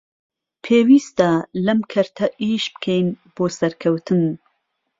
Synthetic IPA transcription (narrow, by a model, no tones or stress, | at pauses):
pʰeːwiːst̪alɐmkʰɐɾt̪ʰɐʔiːʃbɨ̥kʰejnb̥oːsɐɾkʰɐwt̪ʰɨn